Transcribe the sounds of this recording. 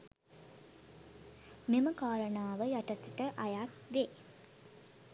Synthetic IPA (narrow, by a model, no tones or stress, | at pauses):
meməkaːɾənaːʋəjaʈət̪iʈəʔajakʋeː